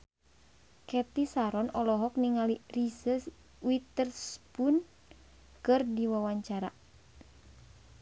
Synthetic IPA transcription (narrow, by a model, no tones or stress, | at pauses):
kɛt̪isaɾɔnɔlɔɦɔkniŋalirisəs | wit̪ərspun | kɨrdiwawaɲt͡ʃaɾa